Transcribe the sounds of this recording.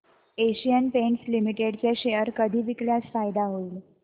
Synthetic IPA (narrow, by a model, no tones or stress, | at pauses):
eɕijənpeɳʈslimiʈeɽt͡ɕjaɕeəɾkəd̪ʱiːʋikljasfajd̪aɦoiːl